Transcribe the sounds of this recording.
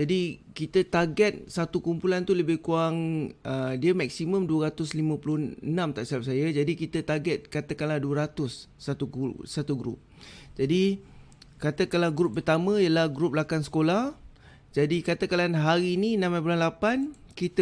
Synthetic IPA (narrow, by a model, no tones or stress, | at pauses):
d͡ʒadikit̪ət̪aɡɛt̪̚sat̪ukumpulant̪uləbɪhkuaŋədiəmak̚simə̃mduəɾat̪ʊslimãpulʊənãmt̪aʔsiap̚sajad͡ʒadikit̪ət̪aɡɛt̪̚kat̪akanlahduəɾat̪ʊsːat̪uɡusat̪uɡɾʊ̰p̚d͡ʒadi | kat̪əkalahɡɾup̚pːərt̪amə̃jəlahɡɾup̚lakansə̥kolah | d͡ʒadikat̪əkalanɦaɾiːninãmajpulanlapan | kit̪